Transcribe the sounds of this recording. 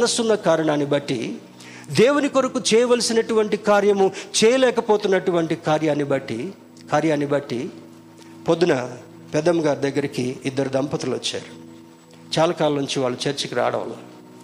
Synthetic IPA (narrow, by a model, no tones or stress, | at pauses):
nɐsunːɐkaːɾɐɳaːnibɐʈːi | d̪eːwuniko̞ɾɐkut͡ʃɛːjɐʋɐlɐsinɐʈuʋɐɳʈikaːɾjɐmut͡ʃɛːjɐlɛːkɐpoːt̪unːɐʈuʋɐɳʈikaːɾjaːnːibɐʈːi | kaːɾjaːnːibɐʈːi | pod̪ːunɐ | pɛd̪ɐmɡaːɾd̪ɐɡːɐɾikiːd̪ːɐɾud̪ɐmpɐt̪ɐlʋɐ̰t͡ʃːa̰ːɾu | t͡ʃaːlɐkaːlɐɐnuɲt͡ʃiʋaːɭːut͡ʃɐɾt͡ʃɐkiɾa̰ːɽɐ̰ʋɐ̰laː